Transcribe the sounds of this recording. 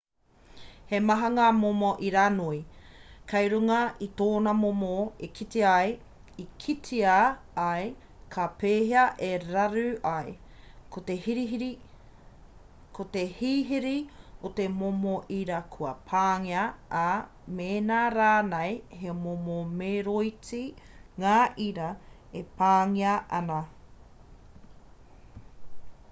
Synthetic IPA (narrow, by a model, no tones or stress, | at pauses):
hemɐɦɐŋamomoʔiɾanuikʰɐjɾuŋɐit̪oːnɐmomoekʰit̪eɐj | ikʰitʰiaː | j | kʰapeːɦeɐʔeɾɐɾʉʔɐjkʰot̪ehiɾiɦiɾi | kʰot̪ehiːɦiɾiot̪emomoʔiɾɐkʰuɐpʰaːŋiɐʔa | meːnaːɾaːnejɦemomomeɾoit͡siŋaːʔiɾɐ | epaːŋiɐʔɐnɐ